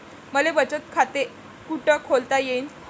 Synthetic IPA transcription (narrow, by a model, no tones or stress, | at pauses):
məleʋət͡ɕət̪̚kʰat̪e | kuʈəkʰolt̪ajen